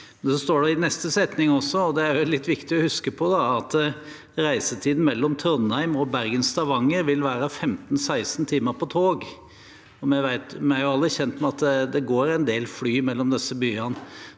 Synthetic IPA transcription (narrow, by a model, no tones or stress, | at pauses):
ɛnsɔst̪oːɖɛɪnɛst̪əsɛt̪nɪŋɔsːɔɔd̪ɛæɾʊlːɪt̪ːʋɪkt̪ɪɔhʉskəpʰɔd̪ɑɑt̪ | ɾæɪsət̪ʰiːd̪n̩mɛlːɔmt̪ʰɾɔnhæɪmɔbæɾɡənst̪ʰɑʋɑŋːəɾʋɪlʋæːɾəfɛmt̪n̩sæɪsnt̪ʰiːməɾpʰɔt̪ʰoːɡ | ɔmɛʋæɪt̪mɛæɾjʊɑlːəçɛnt̪mɛɑt̪d̪ɛɡoːɾæɪnd̪eːlflyːmɛlːɔmd̪ɛsːəbyːɑn